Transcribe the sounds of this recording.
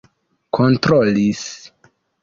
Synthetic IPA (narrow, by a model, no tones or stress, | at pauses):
kʰontɾolis